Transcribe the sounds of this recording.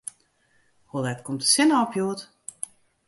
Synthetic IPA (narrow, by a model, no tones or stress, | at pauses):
holˠɛtkʰɔmtə̥sɪnəɔpjuːət